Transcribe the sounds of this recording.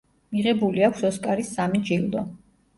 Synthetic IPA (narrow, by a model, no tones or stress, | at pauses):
miʁɛbuliakʷʰsɔskʼaɾisːamid͡ʒilˠd̪ɔ